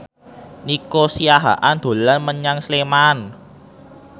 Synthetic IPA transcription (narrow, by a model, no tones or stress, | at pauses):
nikosijaɦa̰ʔand̪̥o̤lanməɲaŋsleman